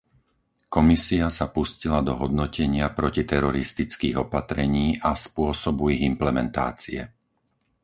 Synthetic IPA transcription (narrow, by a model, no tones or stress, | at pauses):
kɔmisiasapuscilad̪ɔɦɔd̪nɔcʰɛɲɪapɾɔcit̪ɛɾɔɾist̪it͡skiːɣɔpat̪ɾɛɲiːʔaspʊɔsɔbuiɣimplɛmɛnt̪a̰ːt͡siɛ̰